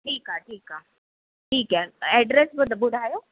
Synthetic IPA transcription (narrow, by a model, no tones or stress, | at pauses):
ʈʰiːkaʈʰiːkaː | ʈʰiːkɛɛɖɾesbəd̪əbʊɽʱaːjoː